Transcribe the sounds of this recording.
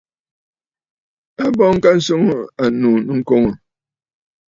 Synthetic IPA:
a˦bɔ˦ŋ̩˦ka˦n̩˦so˦ŋə˦a˨nu˨nɨ˦ŋ̩˦ko˦ŋə˨

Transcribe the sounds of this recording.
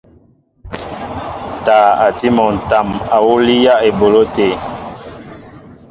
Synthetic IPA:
taː˨a˨ti˦mɔ˨n̩˨ta˨ma˨wu˦li˦ja˦e˨bo˨lo˦te˨

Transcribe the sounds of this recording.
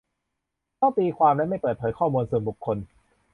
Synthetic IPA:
t̪ʰɔː˥˩t̪iː˧kʰwaː˧mlɛ˦˥ma˥˩jpɤː˨˩t̪̚ʰːjkʰɔː˥˩muː˧nsu˨˩ənbu˨˩kʰːo˧n

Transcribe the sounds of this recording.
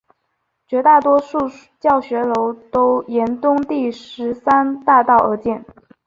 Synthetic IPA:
t͡ɕɥɛ˧˥t̪a˥˩t̪wɔ˥ʂu˥˧ | t͡ɕjɑ˥˩ʊɕɥɛ˧˥lo˧˥ʊt̪o˥ʊjɛ˧˥nt̪ʊ˥ŋt̪i˥˩ʂɻ̩˧˥sa˥nt̪a˥˧t̪ɑ˥˩ʊə˧˥t͡ɕjɛ˥˩n

